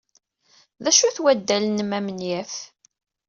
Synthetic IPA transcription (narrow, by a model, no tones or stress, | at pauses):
ðæʃuθwæd̪ːælənmæmnjæf